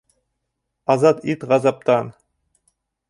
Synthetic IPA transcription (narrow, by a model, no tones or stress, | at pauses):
ɑzɑt̪it̪ʁɑzɑp̚t̪ɑn